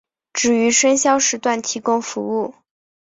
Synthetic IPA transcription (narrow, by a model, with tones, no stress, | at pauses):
ʈ͡ʂɻ̩˨˩y˧˥ʂə˥nɕjɑ˥ʊʂɻ̩˧˥t̪wa˥˩nt̪ʰi˧˥kʊ˥ŋfu˧˥u˥˩